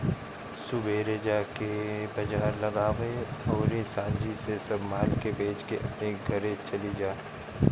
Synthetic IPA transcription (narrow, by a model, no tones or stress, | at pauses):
sʊbʱeːɾeːd͡ʒakebɐd͡ʒaːɾlɐɡaːʋeɔːɾisãːnd͡ʒisesɐbmaːlkebeːt͡ʃkeʔɐ̰pneɡʱɐɾẽt͡ʃɐlid͡ʒaː